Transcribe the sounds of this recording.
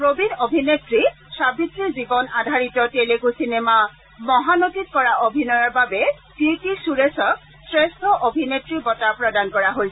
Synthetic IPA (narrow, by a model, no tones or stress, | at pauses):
pɹobinobʱinetɹi | sabitːiɹzibɔnadʱaɹitɔtelekusinema | mɔɦanotit̚kɔɹaʔobʱinɔjaɹbabɛ | tiɹkisuɹesɔk̚ | sɹestʰɔʔobʱinetɹibɔtapɹɔdankɔɹaɦojsɛ